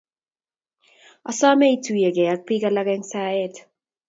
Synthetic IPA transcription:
ɔ˨sɔ˦mɛ˦i˨tu˨je˨kɛ˨a˨k̚pi˦ka˦la˦kɛ˦ŋsa˦ɛ˦t

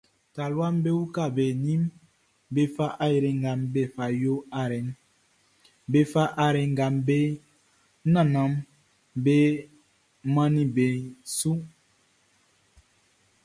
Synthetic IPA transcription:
ta˨lwa˦mbe˦u˦ka˦˨be˨ni˦m | be˦fa˦ʔa˦e˨ɾe˨ŋ˨ɡa˨mbe˦˨fa˨jo˦a˦ɾɛ˨˦n | be˦fa˦ʔa˦˨ɾɛ˨ŋ˦ɡa˨mbe˦ | nã˨na˨˦m | be˦ | mã˦ni˦be˨su˦

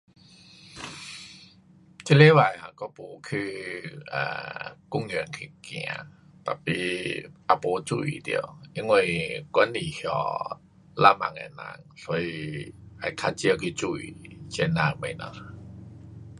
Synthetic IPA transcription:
tʰi˧˥le˦˨wa˨˩˨ja˧˩kɔ˦pu˧˦kʰɯ˧ʔa̰˨˩ku˥˨ŋːɨ˨ə˨nkʰi˧˩kḭ̃˧˨a̰˨˧˦ | t̪a˧˩pḭ˧˩ʔa˧po˧˦t͡su˧˩˨ḭ˨d̪ḭ˧ə˨wi˧˦ŋo˧˩jkni˨˩hjɔ˧˩ | la˧˨mã̰˧ŋa̰˧˨nã̰˧˩ŋsɔ˧˦i˧˩ʔa˧˩jk̪ʰa˧t͡ɕi˧ə˧˨kʰi˧t͡su˧˩˨ḭ˨t͡ɕe˧˩nã˧˩˨ŋme˧˨na̰˧˦

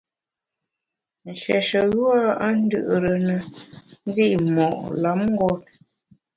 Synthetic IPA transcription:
n̩˨ʃɛ˨ʃə˨ɣu˦a˦a˦n̩˦dɨ̰˦˨ʔɾə˨nə˨n˦zi˦˨ʔmɔ̰˨ʔla˨˦mŋ̩˦ɡɔ˦t̚

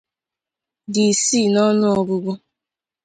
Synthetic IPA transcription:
di˨si˦˨nɔ˦nʊ˦ɔ˨bʊ˦bʊ˦

